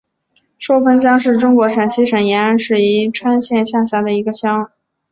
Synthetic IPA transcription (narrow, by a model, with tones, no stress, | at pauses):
ʂo˥ʊfə˥nt͡ɕjɑ˥ŋʂɻ̩˥˩ʈ͡ʂʊ˥ŋkwɔ˧˥ʂa˨˩nɕi˥ʂa˨˩njɛ˧˥nə˧˥nʂɻ̩˥˩i˧˥ʈ͡ʂʰwa˥nɕjɛ˥˧nɕja˥˧ɕja˥˩d̪ə˩i˧˥ɡə˧ɕjɑ˥ŋ˨